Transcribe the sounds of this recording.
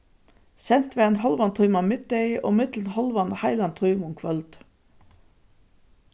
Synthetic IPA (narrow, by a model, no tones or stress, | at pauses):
sɛnt̪ʋeːɑnhɑlʋɑnt̪ʰʉʏmɑmɪd̪̚eɪʔo̰ːmɪt̪l̩n̩hɑlʋɑnhɑɪlɑnt̪ʰʁœʏmʊŋkʰʋœld̪̥